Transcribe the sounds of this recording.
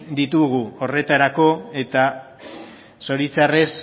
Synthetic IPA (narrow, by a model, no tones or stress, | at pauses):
d̪it̪uɣuo̞re̞t̪aɾako̞e̞t̪a | so̞ɾit͡sare̞s